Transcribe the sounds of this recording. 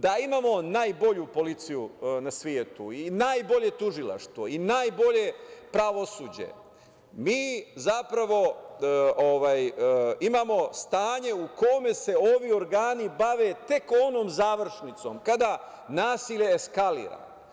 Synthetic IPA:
d̪aimaːmo̞naːjbo̞ʎupo̞lit̪sijunasʋjeːt̪uinajbo̞ʎe̞t̪uʒilˠa̰ʃt̪ʋoinaːjbo̞ʎe̞pɾaʋo̞suːd͡ʑe̞̰ | miːzapɾaʋo̞ | oʋaːjimaːmo̞st̪aːɲe̞uko̞me̞se̞o̞ʋio̞ɾɡaːnibaʋe̞t̪e̞ko̞no̞ːmzaːʋr̩ʃnit̪so̞mkad̪a | naːsiʎe̞ːskalḭːɾa̰

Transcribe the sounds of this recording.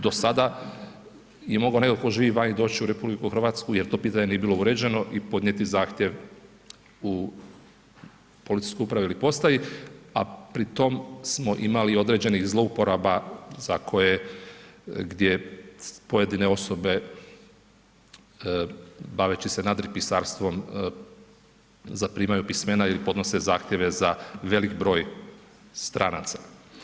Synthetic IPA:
d̪o̞sad̪a | jemo̞ɡaone̞kolko̞ʒiːʋiʋaɲid̪o̞ːt͡ɕiuɾe̞publikuxɾr̩ʋaːt̪skuje̞ɾt̪o̞piːt̪aɲe̞nije̞biːlˠo̞uɾe̞d͡ʑe̞no̞ʔipo̞d̪ɲet̪izaːxt̪ʲjeʋ | u | po̞lit̪i̥skoupɾaʋeilipo̞st̪ajia̰pɾit̪o̞msmo̞ʔimalio̞d̪ɾe̞d͡ʑe̞nixzlo̞upo̞ɾabaz̥akʰo̞je̞ | ɡd̪je̞poje̞d̪ine̞o̞so̞be̞ | baʋet͡ɕise̞nad̪ɾipisaːɾst̪ʋo̞m | zapɾiːmajupisme̞nailipo̞d̪no̞sezaːxt̪ʲje̞ʋe̞zaʋe̞likbɾo̞ːj | st̪ɾʔana̰t̪sḁ

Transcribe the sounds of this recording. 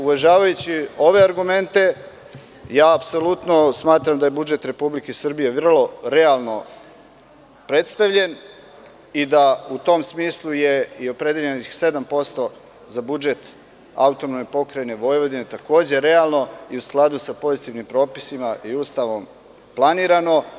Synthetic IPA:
uʋaʒaːʋajut͡ɕio̞ʋe̞aɾɡume̞nt̪e̞ | jaːpso̞lut̪no̞smaːt̪ɾamd̪aje̞bud͡ʒe̞t̪ɾe̞publikesr̩bije̞ʋr̩lˠo̞ɾealˠno̞ | pɾe̞t̪st̪aʋʎe̞n | id̪aut̪o̞msmiːslˠuje̞io̞pɾed̪jeʎenixse̞d̪ampo̞st̪o̞ | zabud͡ʒe̞t̪ | a̰ut̪onomepo̞kɾajene̞ʋo̞jʋo̞d̪inet̪ako̞ːd͡ʑe̞ɾe̞alˠno̞iusklˠad̪usapo̞zit̪iʋnimpɾo̞ːpi̥simaʔiuːst̪aʋo̞m | plˠaniːɾano̞

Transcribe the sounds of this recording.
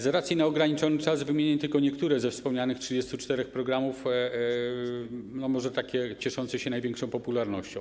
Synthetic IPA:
zɾat̪sʲjinaɔɡɾaɲit͡ʂɔnɘt͡ʂazvɘmʲjeɲɛt̪ɘlkɔɲɛkt̪uɾɛzɛfspɔmɲanɘxtʂɨd͡ʑɛst̪ut͡ʂt̪ɛɾɛxpɾɔɡɾamuf | nɔmɔʐɛt̪akʲɛt͡ɕɛʂɔnt̪sɛɕɛnajvʲjɛ̃ŋkʂɔ̃w̃pɔpulaɾnɔɕt͡ɕɔ̃w

